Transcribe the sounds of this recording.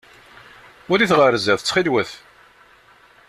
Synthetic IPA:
ʊliθʁəɾzæθət͡sːχilwəθ

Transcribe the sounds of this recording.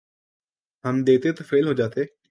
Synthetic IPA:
ɦəmd̪eːt̪eːt̪aːfʰeːlɦoːd͡ʒaːt̪eː

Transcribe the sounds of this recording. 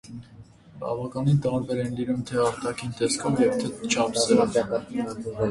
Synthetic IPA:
bɑ̰vɑkɑnint̪ɑɾbɛɾɛnlinumt̪ʰɛɑɾt̪ɑkʰint̪ɛskʰɔvjɛvt̪ʰɛt͡ʃʰɑpsɛɾɛ

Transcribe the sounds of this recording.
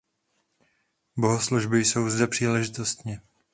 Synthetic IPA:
bo̞ɦosluʒbɪjso̞wzd̪ɛpr̥iːlɛʒɪt̪o̞st̪ɲɪ

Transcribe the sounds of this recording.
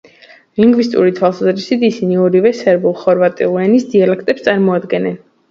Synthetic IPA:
liŋɡvist̪ʼṵɾit̪ʰwalˠsazɾisit̪ʰisiniɔɾivɛsɛɾbulˠχɔɾvat̪ʼḭlˠuɛnisd̪ialɛk̚ʰt̪ʼɛpst̪sʼaɾmɔad̪ɡɛnɛn

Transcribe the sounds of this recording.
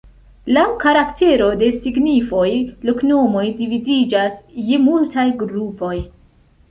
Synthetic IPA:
lawkaɾaktʰe̞ɾo̞de̞siɡnifo̞jlokno̞mo̞jdividid͡ʒasjemultʰajɡɾupo̞j

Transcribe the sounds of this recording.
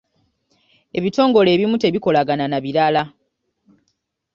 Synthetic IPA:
e̞βito̞ːŋɡo̞le̞ːβimute̞βiko̞laɡananaβiɾala

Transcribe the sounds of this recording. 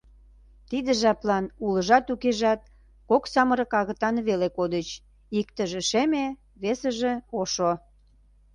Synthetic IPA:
t̪id̪ə̆ʒɑplɑnuləʒɑt̪ukeʒɑt̪̚ | koksɑməɾə̆kɑɣə̆t̪ɑnβelekod̪ət͡ɕ | ikt̪əʒĕʃeme | βesəʒeoʃo

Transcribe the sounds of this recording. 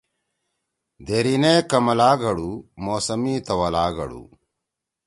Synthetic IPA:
d̪eɾineːkɐmɐlaːɡɐɭumoːsɐmiːt̪ɐʋɐlaːɡɐ̰ɽṵ

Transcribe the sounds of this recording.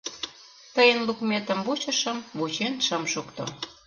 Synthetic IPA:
t̪əjənlukmʲet̪əmβut͡ɕə̆ʃəmβut͡ɕenʃəmʃukt̪o̰

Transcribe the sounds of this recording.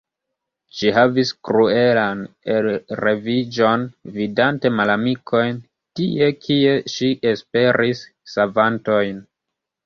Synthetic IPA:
ʃihaviskɾue̞lan | elɾevid͡ʒo̞nvidante̞malamikʰo̞jn | tiekʰie̞ʃiʔespe̞ɾʔisː | avanto̞jn

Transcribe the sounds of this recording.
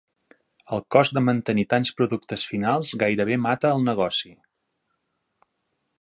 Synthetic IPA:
əlˠkɔzd̪əmənt̪ənit̪anspɾuðuk̚t̪əsfinalˠzɣajɾəβemat̪əːlˠnəɣɔsi

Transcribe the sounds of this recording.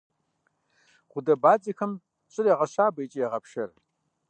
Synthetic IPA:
ʁʷʊdɐbaːd͡zʼɐxɐm | ɕʼɪrjɛʁɐɕaːbɐjt͡ʃʼijɛʁɐpʃɐr

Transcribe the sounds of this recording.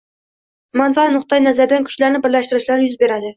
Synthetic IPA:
manfaanʊχt̪ɑjnazaɾd̪ankʰʊ̥ʃlaɾnɪbɪɾlaʃt̪ɪɾɪʃlaɾjʊzbe̞ɾad̪ɪ

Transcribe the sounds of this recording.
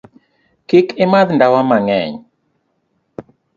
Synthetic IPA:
kɪkɪmaðndawamaŋɛ̰ɲ

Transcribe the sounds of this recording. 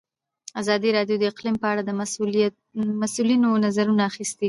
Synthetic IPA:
azɑd̪iɾɑɖjod̪əɪqlimpəaɽad̪əm | masulinonazaɾunaːxist̪i

